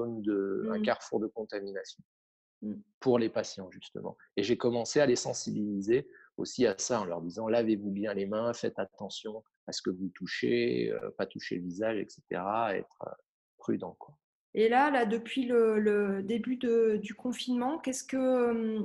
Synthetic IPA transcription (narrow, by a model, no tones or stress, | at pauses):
ond̪əɛ̃kaʁfuʁd̪əkɔ̃t̪aminasjɔ̃ | puʁlepasjɑ̃ʒyst̪ə̰mɑ̰̃ | eʒekɔmɑ̃sealesɑ̃sibilize | o̰siasaɑ̃lœ̰ʁd̪izɑ̃lavevubjɛ̃lemɛ̃fɛt̪at̪ɑ̃sjɔ̃ | asə̥kəvut̪uʃḛø̰pat̪uʃḛləvizaʒɛ̰kse̥t̪ḛʁaɛ̰t̪χə̰ | pχy̰d̪ɑ̃kwa | elalad̪əpɥilələd̪ebyd̪əd̪ykɔ̃finmɑ̃kʲɛskəm